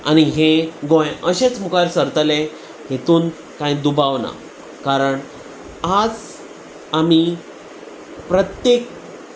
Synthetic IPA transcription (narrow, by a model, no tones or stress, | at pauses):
a̰ñiɦeɡõjəɕet͡smukaɾsəɾt̪əle | ɦet̪uːn | kãjd̪ubaʋna̰ | kaɾəɳ | ad͡z | ami | pɾət̪jek̚